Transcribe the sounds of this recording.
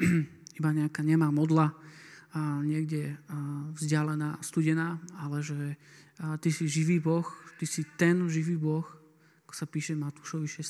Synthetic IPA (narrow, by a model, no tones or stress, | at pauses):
ibaɲɛakaːɲɛmaːmɔd̪la | ɲɪɛɡɟɛ | vzɟɪalɛnaːst̪uɟɛnaːalɛʒɛ | t̪isiʒiʋiːbɔxt̪isit̪ɛnʒiʋiːbɔx | akɔ̥sapiːʃɛmat̪u̥ʃɔʋiʃɛ